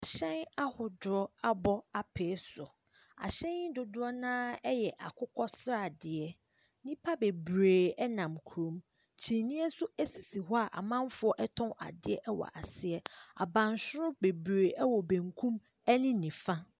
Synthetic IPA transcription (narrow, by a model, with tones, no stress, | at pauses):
a˨ɕɛ̃˦na˦hʊ˨dʊ˨ɾɔ˦a˦bɔ˦a˨pʰeː˨˦sʊ˨ | a̰˨ɕɛ̃˦nɪ˦dʊ˨dʊ˦ɾɔ˦nãː˦ɛ˦jɛ˨ʔa̰˨kʰʊ˦kʰɔ˦sɾa˨dɪ˨ɛ˦ | nĩ˦pʰa˦be˨bɾeː˨ɛ˦nã˨mkʰu˨ɾõ˨˦m | t͡ɕʰi˨nĩ˦ɛ˦sʊ˦æ˦si˨si˨ɦɔ˦a˨ʔa̰˨mã˦mfʊ˦ɔ˦ʔɛ˦tʰɔ̃˦a̰˨dɪ˦ɛ˦ʔɛ˦wɔ̰˨ʔa˨sɪ˦ɛ˦a̰˨bã˨nsʊ˦ɾʊ˦be˨bɾeː˨ʔɛ˦wɔ˨bæ̃˨ŋkʰũ˦m | ɛ˦nɪ̃˦nĩ˨fã˦